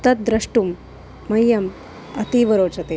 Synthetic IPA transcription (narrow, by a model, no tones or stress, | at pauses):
t̪ɐt̪̚d̪ɾɐʂʈumː | ɐjːɐm | ɐt̪iʋɐɾoːt͡ʃɐt̪e